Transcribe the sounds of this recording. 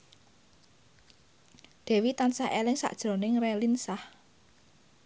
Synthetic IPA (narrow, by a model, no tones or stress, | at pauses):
d̪̥ɛ̤wit̪ansaʔelɪŋsa̰ʔd̥ʒ̥ɾo̤nɪŋrɛlinsah